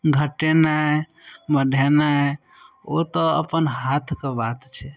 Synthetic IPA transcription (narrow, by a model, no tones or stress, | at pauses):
ɡʱəʈena | bəɖʱena | o̰t̪ɔə̰pənɦat̪ʰkebat̪t͡ʃʰɛ